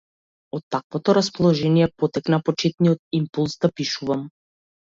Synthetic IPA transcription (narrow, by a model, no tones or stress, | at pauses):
ɔt̪ːakvɔt̪ɔɾaspɔlˠɔʒɛniɛpɔt̪ɛknapɔt͡ʃɛt̪̚nijɔt̪̚impulˠzd̪apiʃuvam